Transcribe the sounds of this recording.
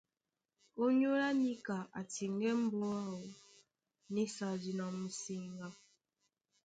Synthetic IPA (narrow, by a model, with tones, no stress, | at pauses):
o˦ɲ˦o˦ɾa˦ni˦ka˨ʔa̰˨ti˨ŋ˦ɡɛ˦m̩˦bɔ˦a˦wo˨ | ni˦sa˨d͡ʒi˨nɔ˨m̩˨si˦ŋɡa˦